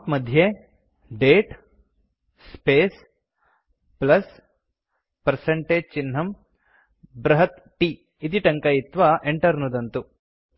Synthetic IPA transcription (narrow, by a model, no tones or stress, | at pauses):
p̪mɐd̪ʱje | ɖeːʈ | speːs | plɐs | pɐɾseɳʈeːd͡ʒt͡ʃinɦɐm | bɾɐɦɐt̪ | ʈi | it̪iʈɐŋkɐjit̪ʋɐʔeɳʈɐɾnud̪ɐnt̪u